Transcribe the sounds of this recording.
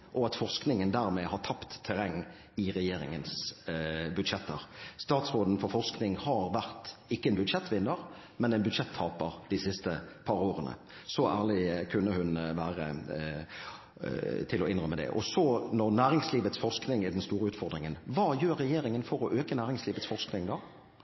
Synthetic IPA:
ʔɔɑt̪fɔʁsknɪŋənd̪æːʁmɛhɑʁt̪ʰɑpt̪ʰːɛɾɛŋː | ɪʁɛjeːɾɪ̰ŋəns | bʉd̪ʂɛt̪ʰːə̰ɾst̪ɑːt̪sʁoːd̪n̩fɔɾfɔʁsknɪŋhɑɾʋæʁt̪ɪkːəɛnbʉd̪ʂɛt̪ːʋɪnːəɾ | mɛnɛɪnbʉd̪ʂɛt̪ʰːɑːpəɾd̪̥ɪsɪst̪əpʰɑɾoːɾənə̰ | sɔʔæ̰ːlɪkʰʉnːəhʉnʋæːʁə̰ | t̪ʰɪlɔɪnʁœmːəd̪ɛ̰ʔɔ̰sɔnɔʁnæːʁɪŋsliːʋət̪sfɔʁsknɪŋɪd̪ɛnst̪uːɾəʉːt̪fɔɾd̪ʁɪŋənʋɑːjøːɾːɛjeːɾɪŋənfɔɾɔʔøːkənæːʁɪŋsliːʋət̪sfɔʁsknɪŋd̪ɑː

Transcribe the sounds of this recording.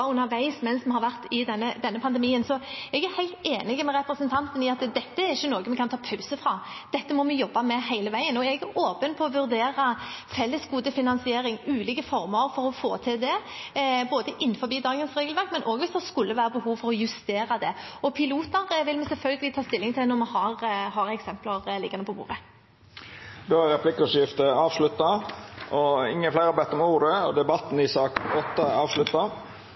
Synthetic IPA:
ʉnːəɾʋæɪsmɛnsmɛhɑɾʋæʁt̪ɪd̪ɛnːəd̪ɛnːəpʰɑnd̪ɛmiːənsɔɛɡæhæɪlt̪eːnɪɡəmɛɾɛpɾəsənt̪ʰɑnt̪ənɪɑt̪d̪ɛt̪ːəæɾɪçːənoːɡəmɛkɑnt̪ʰɑːpʰɑʉsəfɾɑd̪̥ɛt̪ːəmɔmɛjɔbːɑmɛhæɪləʋæɪənɔɛɡʔoːpənpʰɔɔʋʉɾd̪eːɾɑfɛlːəsɡuːd̪əfɪnɑnsɪeːɾɪŋʉːliːkəfɔʁməɾfɔɾɔfoːt̪ʰɪld̪ɛ | boːd̪əʔɪnːfɔbiːd̪ɑːɡənsʁeːɡl̩ʋæɾk̪mɛnʔoːɡʋɪsd̪ɛskʉlːəʋæːʁəbəhuːʋfɔɾɔjʉst̪eːɾɑd̪ɛɔpʰɪluːt̪əɾʋɪlmɛsɛlfœlɡəlɪt̪ʰɑːst̪ɪlːɪŋt̪ʰɪlnɔmɛhɑʁhɑɾɛksɛmplɑʁlɪ̰ɡɑnəpʰɔbṵːɾʁə | d̪oːæɾɛpʰlɪkːʊʂɪft̪əɑːʋʂlʉt̪ːɑʔɔɪŋːənflæɪɾɑbɛt̪ːɔmuːɾəɔd̪ɛbɑt̪ːn̩ɪsɑːkɔt̪ːəɑːʋʂlʉt̪ːɑ

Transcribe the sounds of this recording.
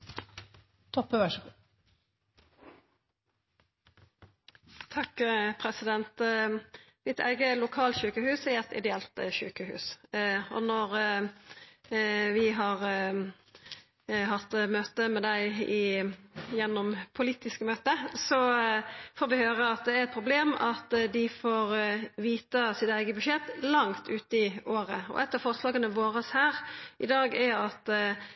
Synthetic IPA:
t̪ʰɔpːəʋæʂəku | t̪ʰɑkːpʰʁɛsɪd̪ɛnt̪ | mɪt̪ʰæ̰ɪɡəlʊkʰɑːlt̪çʉːkəhʉːsɪɛt̪ɪ̰d̪ɛɛlt̪ʃʉːkəhʉ̰ːsɔnɔʁ | ʋɪɦɑʁ | ɦɑt̪ːmøːt̪əmɛd̪æɪɪ | jɛnːɔmpʰʊliːt̪ɪskəmøːt̪əsɔ | foːɾʋɪhøːʁəɑt̪̚d̪ɛæɾɛt̪̚pʰɾʊbleːmɑt̪d̪ɪfoːʁʋiːt̪əsɪt̪æɪɡəbʉʂjɛt̪ːlɑŋt̪ʰʉːt̪əɪoːʁəɔ̰ʔɛt̪ːəɾfɔʁslɑːɡənəʋoːɾəshæːʁʔɪd̪ɑːɡæɑt̪

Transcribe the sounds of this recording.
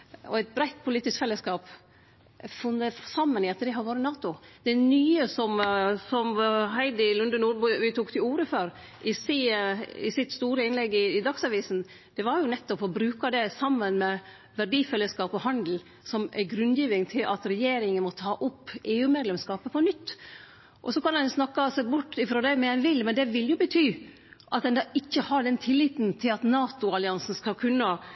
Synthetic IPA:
ɔæɪt̪̚bɾæɪt̪̚pʰʊliːt̪ɪskfɛlːəskɑːp | fʊnd̪əsɑmːənɪɑt̪d̪ɛɦɑɾʋoːɾənɑːt̪ʊd̪̥ɛnyːəsɔmsɔmɦæɪd̪ɪlʉnd̪ənuːɾbʉʋɪt̪ʰuːkt̪ʰɪluːɾəføɾ | ʔɪseːɪsɪt̪ːst̪uːɾəɪnlɛɡːɪːd̪ɑksɑʋiːsn̩ | d̪̥ɛʋɑɾjʊnɛt̪ːɔpɔbɾʉːkɑd̪ɛsɑmːənmɛ | ʋæɖiːfɛlːəskɑːpɔhɑnd̪l̩ | sɔmæ̰ɡɾʉnd̪jiːʋɪŋt̪ʰɪlʔɑ̰t̪ɾɛjeːɾɪŋənmɔt̪ʰɑːʔʊpːʔeːʉːmeːd̪lɛmskɑːpəpʰɔnʏt̪ː | ʔɔsɔkɑnɑnjʊsnɑkːɑsɛbʊʈːɪfɾoːd̪æɪmɛɛnʋɪlːmɛnd̪ɛʋɪljʊbət̪ʰyː | ʔɑt̪̚d̪ɛnd̪ɑɪçːəhɑɖɛnt̪ʰɪlːɪːt̪nt̪ʰɪlɑt̪nɑːt̪ʊɑlɪɑnsn̩skɑkʰʉnːə

